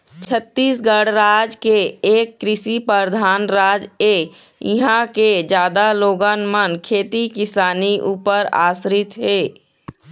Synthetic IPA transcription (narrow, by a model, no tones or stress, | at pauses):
t͡ʃʰət̪ːiːsɡəɽɾaːd͡ʒkeeːkːɾɪsipəɾd̪ʱaːnɾaːd͡ʒe | iɦãked͡ʒjaːd̪aloːɡənmənkʰeːt̪ikɪsaːniʔuːpəɾa̰ːsɾɪt̪ɦeː